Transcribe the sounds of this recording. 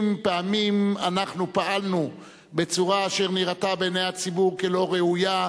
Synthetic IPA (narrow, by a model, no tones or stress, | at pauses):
mpeamimanaχnupaʔalnu | bet͡suʁaːʃe̞ʁniʁatabenejhat͡sibuʁkelo̞ʁeuja